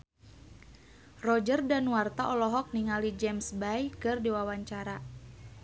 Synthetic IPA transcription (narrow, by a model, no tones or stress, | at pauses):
rɔd͡ʒərdanwart̪aʔɔlɔɦɔk̚niŋalid͡ʒɛmsbajkɨrdiwawaɲt͡ʃaɾa